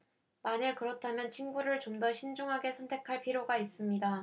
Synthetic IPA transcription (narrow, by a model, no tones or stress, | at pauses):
manekɯɾʌtʰamjʌnt͡ɕʰinɡuɾɯɭt͡ɕomdʌɕʰind͡ʑuŋɦaɡe̞sʰʌntʰe̞kʰaɭpʰiɾjoɡais͈ɯmɲida